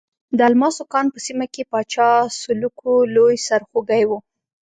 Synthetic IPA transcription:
d̪əalmɑsokɑnpəsimakepɑt͡ʃɑsʊlukʰolojsaɾxoɡajwu

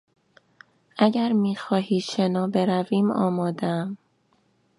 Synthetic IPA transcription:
ʔæɟæɾmiːxɒːhiːʃe̞nɒːbe̞ɾæviːmɒ̰ːmɒːd̪eæm

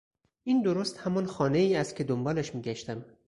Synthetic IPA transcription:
ʔiːnd̪oɾost̪hæmɒnxɒːneiːæst̪̚kʰʲe̞d̪ombɒːlæʃmiːɡæʃt̪æm

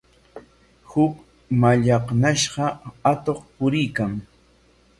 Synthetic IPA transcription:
hʊk | maʎɑχnaʃɢɑat̪oχpʊɾɪjkaŋ

